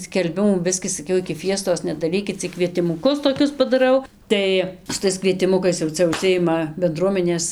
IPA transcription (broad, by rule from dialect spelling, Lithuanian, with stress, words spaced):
sʲkʲɛlʲˈbʲɪmuː ˈbʲɪsʲkʲiː sɐˈkʲɛʊ ɪkʲɪ ˈfʲiɛstoːs nʲɛdɐˈrʲiːkʲɪt t͡sʲɪk kʋʲiɛtʲɪmʊˈkʊs toːˈkʲʊs pɐdɐˈrɐʊ ˈtɐɪ sʊ ˈtɐɪs kʋʲiɛtʲɪˈmʊkɐɪs jɛʊ ˈt͡sʲɛ ʊʃʲˈsʲɪjɪmɐ bʲɛnˈdruɔmʲɛnʲeːs